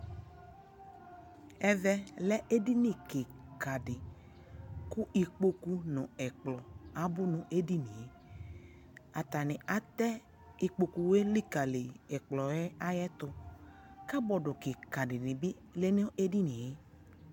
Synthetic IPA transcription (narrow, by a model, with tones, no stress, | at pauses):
ɛ˦vɛ˦lɛ˦ʔe˦di˦nĩ˨kɪ˨ka˨dɪ˨ | kʊ˦ʔi˨k͡po˦ku˦nʊ̃˨ɛ˨k͡plɔ˨a˨bʊ˦nʊ̃˨ʔe˦di˦nĩ˨je˦ | a˨t̪a˨nɪ̃˨a˨t̪ɛ˦ | i˨k͡po˨ku˨we˦li˦ka˨le˨ɛ˨k͡plɔ˨jɛ˦a˦jɛ˦t̪ʊ˦ | ka˦bɔ˨dʊ˨kɪ˨ka˨ɖɪ˨nɪ̃˨bi˦ | le˦ne˦e˦di˦nĩ˨je˦